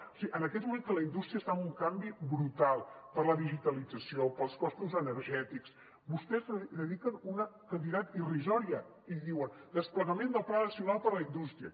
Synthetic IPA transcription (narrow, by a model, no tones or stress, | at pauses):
siʔənəkɛt̪̚mument̪ələind̪ust̪ɾiəst̪aəmuŋkambibɾut̪alˠpəɾləðiʒit̪əlid͡zəsiopəlˠskɔst̪uzənəɾʒɛt̪iks | bust̪ɛzððəðikənunəkənd̪iðat̪irizɔɾiə | iðiwənd̪əspləɣəmend̪əlˠplanəsiunalˠpəɾləind̪ust̪ɾiə̰